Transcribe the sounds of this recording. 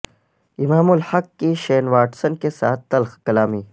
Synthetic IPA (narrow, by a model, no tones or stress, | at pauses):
ɪmaːmʊlhɐkːiʃeːnʋaːʈsənkesaːt̪̚t̪ɐlxkɐlaːmiː